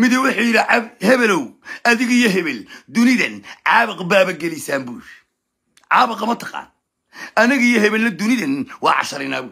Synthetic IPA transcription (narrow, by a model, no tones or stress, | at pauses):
mɪðɐwʊħujɪɾɪhɛβɛlɔwʔɐðɪɣijɔɦɛβɛld̪ʊnɪðɐnʕɑːβɪqbaːβɐɡɛlɪjsaːmbuːʃ | ʕɑːβɪqɐmɐt̪ʰɐqɑ̰ːn | ʔɐnɪɣɐijɔhɛβɛlːɐd̪ʊnɪðɐnwɑ̰ːʕɑ̰ʃɐɾɪna̰ːbuː